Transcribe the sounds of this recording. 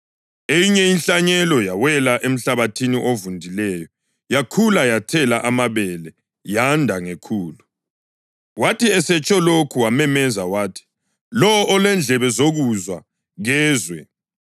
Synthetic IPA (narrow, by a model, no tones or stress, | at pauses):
ejiɲɛinɬaɲɛlɔjawɛlaʔem̩ɬaβatʰiniʔovundʱilɛjɔ | jakʰulajatʰɛlaʔamaβɛlɛ | jandʱaŋekʰuːlu | watʰiɛsɛt͡ʃʼɔlokʰuwamɛmɛzawaːtʰi̥ | lɔʔːlɛnd͡ɮʱɛβɛzoɣuzwa | ɣɛːzwɛ